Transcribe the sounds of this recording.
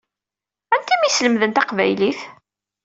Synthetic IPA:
ænt̪imisləmðənt̪ɑqvæ̰jliθ

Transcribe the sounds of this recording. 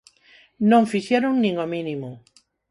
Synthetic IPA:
nõɱfiʃjeɾoŋnĩŋomĩnĩmo

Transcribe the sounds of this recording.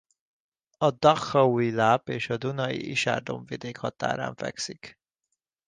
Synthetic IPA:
ɒd̪ɒxɒuilaːpeːʃɒd̪unɒjḭʔiʃa̰ːrd̪o̞ɱvid̪eːkhɒt̪a̰ːɾa̰ːɱfɛ̰ksik

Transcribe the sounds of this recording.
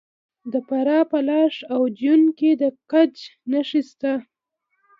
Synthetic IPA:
d̪əpaɾɑpəlɑʃawd͡ʒunked̪əkad͡ʒnaʃist̪a

